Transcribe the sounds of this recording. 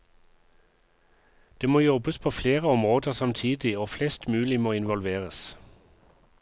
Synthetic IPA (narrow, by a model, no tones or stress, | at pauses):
d̪̥eːmoːjɔbəspʰoːfleːʁəɔmʁoːd̪əʁsɑmt̪ʰiːd̪ɪoːflɛst̪mʉːlɪmoːɪnʋɔlʋeːʁəs